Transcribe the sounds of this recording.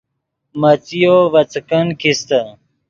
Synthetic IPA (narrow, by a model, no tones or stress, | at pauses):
mət͡sijoʋɐt͡skənkʰist̪ə